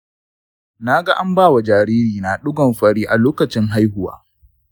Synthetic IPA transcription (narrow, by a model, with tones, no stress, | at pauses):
na˦ɡa˦ʔa˦mbaː˦˨wa˨d͡ʒaː˨ɾiː˦ɾiː˨na˨ɗʊ˦ɡɔ˨mɸɐ˦ɽiː˦ʔa˨loː˦kɐ˨t͡ʃɪ˦ŋɦa˦jɦʊ˨wa̰ː˦